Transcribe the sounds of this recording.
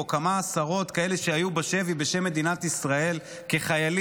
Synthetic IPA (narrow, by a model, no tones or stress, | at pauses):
okamaːsaʁo̞t̪kae̞le̞ʃeajubaʃe̞vibe̞ʃe̞mːe̞d̪inat̪isʁae̞l | ke̞χajal